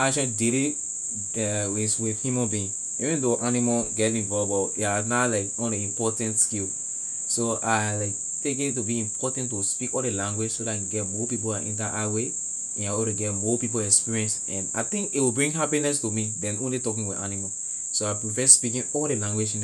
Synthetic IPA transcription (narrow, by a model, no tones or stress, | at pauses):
at͡ʃãdeɾi | ɛwiswiðhjumãnbiĩŋ | ivɛ̃ndoʔanimaɡɛtĩnvɔbɔanalaɪkɔ̃ndeĩmpɔtɛ̃ntskil | soaɪlaɪk̚ | tek̬it̬ubiĩmpɔtɛ̃ntuspikɔldelãŋɡwed͡ʒsodaiɡɛtmɔpip̬oãʔḭ̃ndaʔawe | ɛ̃nawoɾeɡɛtmopip̬olɛkspiɹiɛ̃ns | ɛ̃na̰ɪt̪ĩŋkitwibɹĩŋɦapinɛstumidɛ̃nõnlitɔkĩŋwianima | soaɪpɹipɛspikĩnɔldelãŋɡwed͡ʒĩn